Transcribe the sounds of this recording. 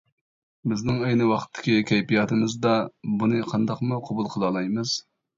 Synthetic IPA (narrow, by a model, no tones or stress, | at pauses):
bɪznɪŋɛjnɨwɑχt̪ʰːɪ̥kʲikʲʰɛjpijɑːt̪ʰɨmɨzd̪ɑbunɨqʰɑnd̪ɑqmuqʰobulˠqʰəlˠɑːlˠɑjmɨz̥